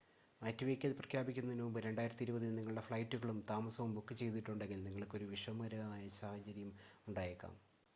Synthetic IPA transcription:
mɐːtːuʋeːkʲːɐlprɐkʰjaːbikʲːunːɐinuʋumbɨɾe̞ɳɖaːjiɾɐt̪ːiɾubɐðiniŋːɐɭɽefɭɐjtːuɣɐɭumt̪aːmɐsɐʋumbukːɨt͡ɕe̞jt̪̬ːiʈːuɳɖe̞ŋɡilniŋːɐɭkːo̞ɾuʋiʂɐmːɐɾɐaːjɐsaːhɐt͡ɕɐɾjɐmuɳɖaːjekːa̰ːm

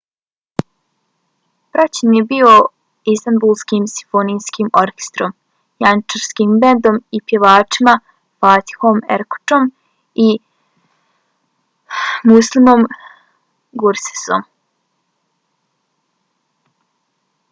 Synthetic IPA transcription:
pɾat͡ɕenjebio | ist̪anbulˠskimsi̥fonijskiːmoɾkʲe̥st̪ɾom | jant͡ʃaɾskiːmbend̪o̞mipje̞ʋaːt͡ʃima | faːt̪i̥xomḛɾko̥ʈ͡ʂom | i | muslimom | ɡuɾse̥so̰m

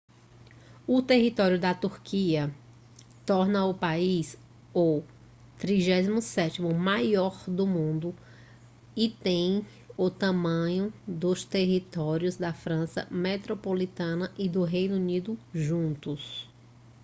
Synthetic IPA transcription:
ʊt̪eɦit̪ɔɾjʊd̪ɐt̪uɾkʰiɐ | t̪ɔɾnɐʊpais | ow | t̪ɾiʒɛzimʊsɛtimʊmajɔɾd̪ʊmũnd̪ʊ | ɪt̪ẽj̃ | ʊt̪ɐ̃mɐ̃ɲʊd̪ʊst̪eɦit̪ɔɾjʊzd̪ɐfɾɐ̃sɐ̰met̪ɾopolit̪ɐ̃nɐʔɪd̪ʊɦejnunid̪ʊʒũnt̪ʊs

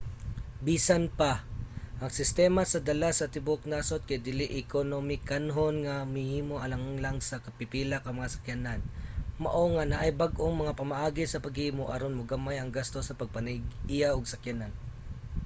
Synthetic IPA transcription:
biːsanpaʔɐŋsɪst̪ɛːmasɐd̪ɐlasɐt̪ɪbok̚nasot̪̚kajd̪ɪlɪʔɪkonomɪkanɦonŋamhɪhiːmoʔɐlaŋlaŋsɐkɐpɪpiːlakɐmɐŋasɐ̥kjananmɐ̰ʔo̞ŋanaʔajbaɡʔoŋmɐŋapɐmɐʔaːɡɪsɐpɐɡhhiːmoʔɐ̰ɾonmoɡamajɐŋɡast̪osɐpɐɡ̚pɐnɪɡʔɪjaʔoɡsɐkjanan

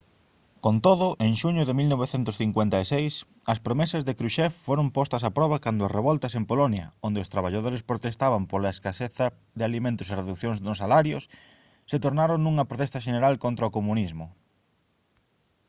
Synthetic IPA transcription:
kont̪oðʊʔeŋʃuɲʊðɪmilnoβeθent̪ʊsθiŋkwent̪aesejs | ɐspɾomesɐzðekɾuʃɛffoɾompɔst̪ɐs̬apɾɔβɐkand̪ʊɐsreβɔlt̪ɐsempolonjɐ̰ond̪eʊst̪ɾaβ̞aʎað̞oɾespɾot̪est̪aβɐmpoɾlaeskaseθɐ | ðeɪalimẽnt̪ʊsereðukθjõŋznʊsalaɾjʊs | set̪oɾnaɾoŋnũŋɐpɾot̪ɛst̪ɐʃeneɾalkont̪ɾaokomunizmʊ

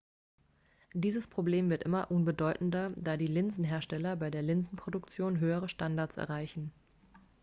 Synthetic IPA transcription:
d̥iːzəspʁ̥obleːmvɪɐtʔɪmɐʔʊnbədɔʏtn̩dɐd̥aːdiːlɪnzn̩ɦeːɐʃtɛlɐbaɪdeːɐlɪnzn̩pʁ̥odʊkt͡sjoːnɦøːəʁ̞əʃtandaɐtt͡ssɛ̰ɐʁaɪçn̩

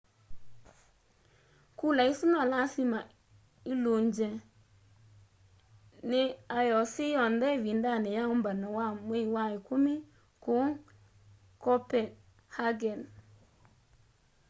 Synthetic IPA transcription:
kulaisʊnɔlasima | ɪloɲd͡ʒɛ | nɪajɔsɪjɔndɛvindanɪjaʊmbanɔwameiwaɪkʊmɪ | kʊ | kɔpɛ | haɡɛn

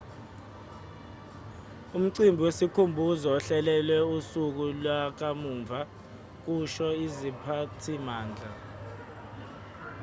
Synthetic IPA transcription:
um̩ǀimbʱwesikʰumbʱuzɔɔɬɛlɛlwɛusuk̬ulwak̬amuːɱvʱa | k̬uʃɔizipʰatʰimaːnd͡ɮʱa

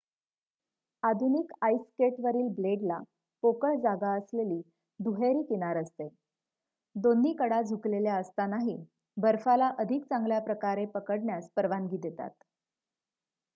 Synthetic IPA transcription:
ad̪ʱunikajskeʈʋəɾiːlbleɖla | pokəɭd͡zaɡaəsleliː | d̪ʱuɦeɾiːkiɽ̃aɾəst̪e | d̪onːiːkəɽad͡zʱukleljaəst̪anaɦi | bəɾfalaʔəd̪ʱik̚t͡sãŋɡljapɾəkaɾepəkəɽɳjaspəɾʋanɡiːd̪et̪a̰t̪

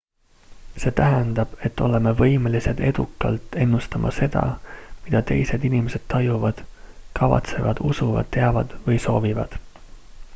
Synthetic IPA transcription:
se̞ːt̪æɦænd̪̥ɑb̥e̞t̪ːo̞le̞me̞vɤ̞jmelise̞d̪̥e̞d̪̥ukːˑɑ̰lt̪ːˑe̞nːust̪ɑmʔɑ̰se̞d̪̥ɑ̰mid̪̥ɑt̪e̞̰jse̞d̪inʲimese̞d̪̥t̪ɑjuvɑd̪̥kɑvɑ̰t̪se̞vɑ̰d̪̥usuvɑ̰d̪̥t̪e̞ɑvɑd̪̥vɤjso̞ːvivɑ̰d̪̥

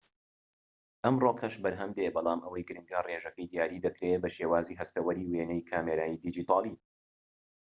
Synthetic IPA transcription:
ʔɐmroːkʰɐʃbɐɾɦɐmd̪ebɑlˠaːmʔɐwɐjɡɨɾɨŋɡareːʒɐkɐjd̪ijaːɾiːd̪ɐkɾebɐʃeːwaːziːɦɐst̪ɐwɐɾiːweːnɛjkʰaːmeɾaːjiːd̪id͡ʒiːt̪ʰɑːlˠi

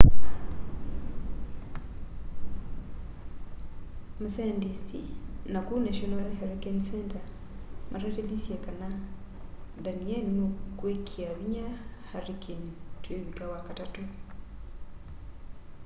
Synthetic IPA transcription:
masandistḭnakunaʃɔnalhaɾikensɛnta | mʔaɾateðisjekana | danienokwekʰiaβiɲahaɾikentweβikawakatatu

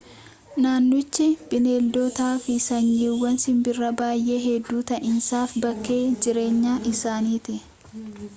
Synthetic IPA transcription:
naːnːʊt͡ʃːɪb̥ɪneːld̪ot̪aːfɪsɐɲːiwɐnsɪmbɪrːɐbaːjʔe̞ːɦɛd̪ːuːt̪ɐʔɪnsaːfbɐkːe̞ːd͡ʒɪɾe̞ːɲːaːʔɪsaːniːt̪ɪʔ

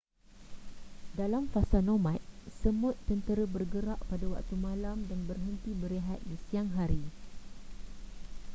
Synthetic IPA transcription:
dalamfasanõmãt̪̚səmʊ̃t̪ːənt̪əɾəbərɡəɾaʔpadawa̰k̚t̪umãlamdanbərɦənt̪ibəɾiɦat̪̚disiaŋɦaɾi

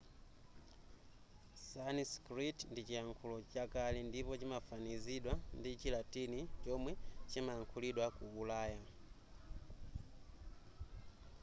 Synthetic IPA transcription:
saniskritndit͡ʃiaŋkʰulɔt͡ʃakalindipɔt͡ʃimafaniziɗwandit͡ʃilatinit͡ʃɔmwɛt͡ʃimaːŋkʰuliɗwakuːlaːja

